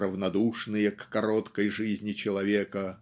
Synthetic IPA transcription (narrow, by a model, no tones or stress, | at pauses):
ɾəvnɐd̪uʂnɨjəkːɐɾot̪kəjʐɨzʲnʲɪt͡ɕɪlˠɐvʲekə